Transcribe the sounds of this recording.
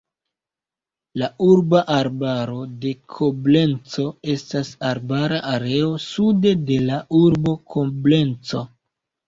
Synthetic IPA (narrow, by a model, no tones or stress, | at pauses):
lauɾbaʔaɾbaɾo̞de̞kʰo̞ble̞nt͡so̞e̞stasaɾbaɾaʔaɾe̞o̞sude̞de̞lauɾbo̞kʰomble̞nt͡so